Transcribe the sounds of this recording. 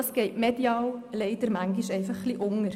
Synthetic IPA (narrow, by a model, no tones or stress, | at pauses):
ɑsɡ̥ɛɪʔmɛd̥iɑːwlɛɪdəɾmæŋɡiʃɛɪfɑχːliʔʊŋəɾ